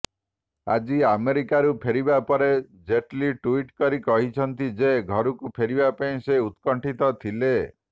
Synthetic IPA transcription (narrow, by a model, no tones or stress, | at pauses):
a̰d͡ʒiameɾikaɾupʰeɾibapɔɾed͡ʒeʈliʈuiʈkɔɾikɔɦit͡ʃʰɔnt̪id͡ʒeɡʱɔɾukupʰeɾibapaĩseut̪kɔɳʈit̪ɔt̪ʰile